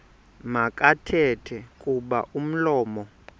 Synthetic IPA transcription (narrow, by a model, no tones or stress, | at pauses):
makʼatʰɛtʰɛkʼuɓa̰ʔum̩lɔːmɔ